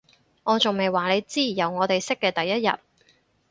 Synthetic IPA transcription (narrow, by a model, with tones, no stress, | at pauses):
ŋɔː˨˧t͡sʊ˨ŋme˨jwaː˨ne˨˧jt͡siː˥jiː˨˩jɐ˨wŋɔː˨˧t̪e˨jsɪ˥kːɛː˧t̪ɐ˨jːɐ˥t̚jɐ̰˨t̚